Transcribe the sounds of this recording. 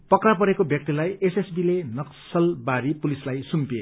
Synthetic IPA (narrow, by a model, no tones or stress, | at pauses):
pʌkrapʌɾekobjʌk̚t̪ilajesesbilenʌksʌlbaɾipulislajsumpie